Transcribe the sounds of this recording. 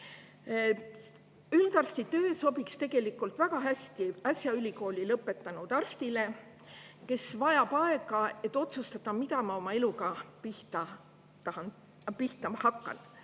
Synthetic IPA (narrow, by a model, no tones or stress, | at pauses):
yld̪ɑrst̪it̪ø̞ːso̞bikst̪e̞ɡ̥e̞likːˑult̪væɡ̥ɑɦæsʲt̪iɑsjɑylʲiko̞ːlʲilɤpːˑet̪ːˑɑnud̪̥ɑrst̪ile̞ | ke̞svɑjɑb̥ɑe̞ɡɑe̞t̪ːˑo̞t̪sust̪ɑt̪ːɑmid̪ɑmɑo̞mɑe̞luɡ̥ɑpiht̪ɑ | t̪ɑɑn | piht̪ɑmɑhɑkːˑɑ̰n